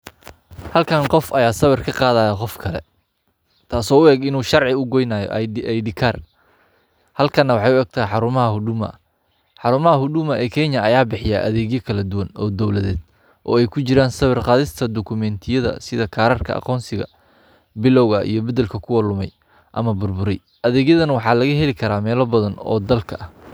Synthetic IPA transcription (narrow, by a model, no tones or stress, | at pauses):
hɐlkʰɐnqɔfɐjaːsɐβɐrkʰɐqɑːðaːjɐqɔfkʰɐlɛ̰ | t̪ʰaːsɔːʊɛːɡɪnuːʃɑrʕɪʊɡɔjnaːjɔ̰ʔʔɛjɖɪkʰaːr | hɐlkʰɐnːɐwɑħɑjʊɛɡ̚t̪ʰɐːjħɑɾʊmɐɦɐhʊɖʊmɐ̰ | ħɑɾʊmɐɦɐɦʊɖʊmɐʔɛːkʰɛɲjɐɐjaːbɪħɪjaːʔɐ̰ðɛːɣjɔkʰɐlɐd̪ʊwɐnɔːd̪ɔwlɐðɛːd̪̥ | ʔɔːɛjkʰʊt͡ʃɪɾaːnsɐβɪrqɑːðɪst̪ʰɐd̪ɔkʰʊmɛnt̪ʰɪjɐðɐ̰sɪðɐkʰaːɾɐrkʰɐ̰ʔɑ̰qɔːnsɪɣɐ̰ | bɪlɔwɣɐʔḭjɞbɐdɛlkʰɐkʰʊwɐlʊmɛ̰j | ʔɐ̰mɐbʊrbʊɾɛj | ʔɐðɛːɣjɐðɐnɐwɑħɑːlɐɣɐɦɛlɪkʰɐɾaːmɛːlɔbɐðɐnɔ̰ːd̪ɐlkʰɐʔɐh